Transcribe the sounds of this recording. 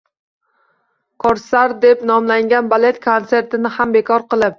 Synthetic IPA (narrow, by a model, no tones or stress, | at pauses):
kʰɒɾsaɾd̪e̞pnɒmlaŋɡʲanbale̞t̪kʰonse̞ɾt̪ɪnɪhambe̞kʰɒɾqɨlˠɪp̚